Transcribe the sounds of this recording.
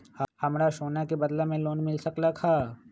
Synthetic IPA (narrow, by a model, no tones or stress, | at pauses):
hɐmɾaʃoːnakebɐd̪lamẽloːnmɪlsɐklakʰaː